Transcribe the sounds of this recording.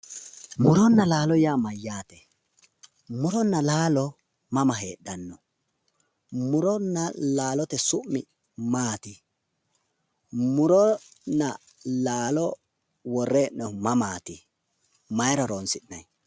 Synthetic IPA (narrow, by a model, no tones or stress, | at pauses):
mʊɾɔnːɐlaːlɔjaːmɐjːaːt̪ɛ | mʊɾɔnːɐlaːlɔ | mɐmɐɦeːɗɐnːɔ | mʊɾɔnːɐlaːlɔt̪ɛsʊmmːɪ | maːt̪ɪ | mʊɾɔnːɐ | laːlɔ | wɔrːeːʔnɔmɐmaːt̪ɪ | mɐjɾɐɾoːnsɪnnɐj